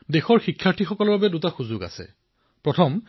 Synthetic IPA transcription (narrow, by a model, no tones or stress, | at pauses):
dexɔɹxikʰːjaɹtʰixɔkɔlɔɹbabɛdutaxuzʊɡa̰sɛ̰ | pɹɔtʰɔm